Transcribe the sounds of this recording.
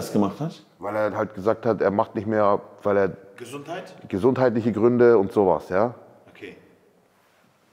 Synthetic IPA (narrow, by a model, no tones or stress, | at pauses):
sɡ̥əmaχthat | vaɪleːɐhalt̚ɡ̥əzaːk̚thatʔeːɐmaχtnɪçtmeːɐv̥aɪleːɐɡznaɪtɡ̥əzʊnthaɪtlɪçəɡʁʏndəʊntz̥oːva̰sjaː | okʰe